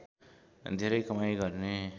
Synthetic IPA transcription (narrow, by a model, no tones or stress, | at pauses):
d̪ʱeɾəjkʌmajɡʌɾne